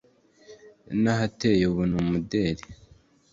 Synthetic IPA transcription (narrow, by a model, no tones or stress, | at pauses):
naɦatejeuβunumudeɾe